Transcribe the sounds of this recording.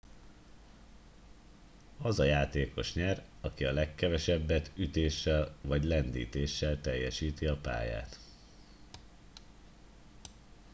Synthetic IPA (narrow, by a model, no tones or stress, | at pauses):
ɒzɒjaːt̪eːko̞ʃɲɛr | ɒkiɒlɛkːɛvɛʃɛbːɛt̪yt̪eːʃːɛlvɒɟlɛnd̪ḭːt̪eːʃːɛlt̪ɛjːɛʃiːt̪iɒpa̰ːja̰ːt̪